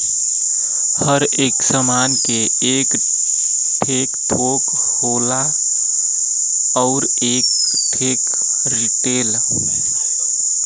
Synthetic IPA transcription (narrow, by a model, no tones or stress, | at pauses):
həɾ | eːksəmanke | eːk | ʈʰekʈʰok | hola | ɔʊɾ | eːk̚ | ʈʰeːk | ɾiʈeːl